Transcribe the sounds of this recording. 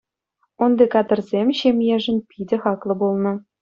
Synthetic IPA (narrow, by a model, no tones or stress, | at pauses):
und̪ekɑd̪ɤ̆rzʲemʲɕemʲjeʐɘ̆npʲidʲɘ̆χɑklˠɤ̆bulˠnɤ̆